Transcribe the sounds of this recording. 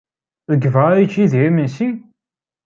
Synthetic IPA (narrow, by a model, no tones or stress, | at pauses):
ðəɡvaɾit͡ʃːiðimənsi